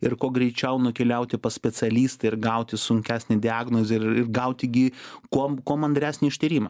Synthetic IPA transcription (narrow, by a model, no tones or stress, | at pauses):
ɪɾkoːɡɾʲɛɪt͡ʃʲɛʊnʊkʲɛlʲɛʊt̪ʲɪpɐsʲpʲɛt͡sʲɛlʲiːst̪ɐɪɾɡɐʊt̪ʲɪsʊŋʲkʲæːsʲnʲɪd̪ʲɪɑːɡnoːzʲɪɪɪrɡɐʊt̪ʲɪɡʲɪkoːkoːmɐnd̪ɾʲæːsʲnʲɪɪʃʲt̪ʲiːɾʲiːmɐ